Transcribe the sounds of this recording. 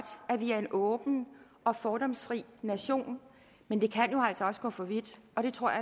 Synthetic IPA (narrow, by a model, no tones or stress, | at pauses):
d̥æʋiæɐe̝nʔɔ̽ːb̥n̩ | ɒ̽fɒːɾ̥ɒ̽msfʁinæɕo̝̰ːn | mend̥e̝kʰæn̰jo̝æl̰sɒ̽ɒ̽sə̥ɡ̥ɔ̽ːfɒ̽ʋid̥ɒ̽ɾ̥e̝t͡sʰʁo̝ɐ̰jä